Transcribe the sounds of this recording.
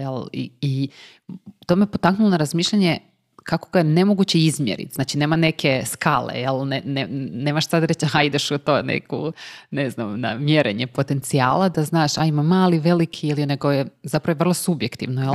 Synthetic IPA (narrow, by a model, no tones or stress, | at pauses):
jelˠḭi | t̪oːmejepo̞t̪aknulˠonaɾazmiːʃʎʲaɲe | kakoɡajenemoɡut͡ɕeizmjḛɾḭt̪zaːt͡ʃine̞ːmane̞kʰe̞skaːlḛjelˠneneneːmaʃsad̪aɾet͡ɕaaid̪eʃut̪oːnḛko̰neznamna̰mjeɾeɲepo̞t̪e̞nt̪sia̰ːlˠad̪aznaːʃaimamːaːliʋe̞likʰijilioneɡojezapɾaʋojʋrlˠosubjekt̪ḭʋnojel